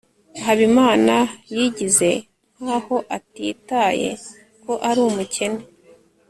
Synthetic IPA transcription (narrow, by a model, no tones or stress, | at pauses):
ɦaβimaːnajiɟize̞ | n̥haːho̞ʔatitaːje̞̰ | ko̞ʔaɾuːmuce̞ne